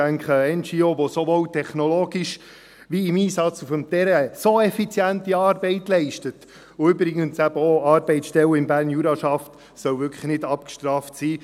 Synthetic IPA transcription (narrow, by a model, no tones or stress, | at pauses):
æŋkχəɛnd͡ʒioːʋosoʋowtʰɛχnɔloːɡiʃ | ʋiɪmiːsɑt͡sufəmt̪ɛɾɛsoɛfit͡sjæntiɑːɾbɛɪtlɛɪʃtət | ʊʏbɾɪɡənsæb̥əɔɑːɾbɛɪt͡sʃtɛləɪmbæːrnjuɾɑʃɑft | sœwvʏɾkʰχə̥χnɪdɑp̚kʃtrɑːftsiː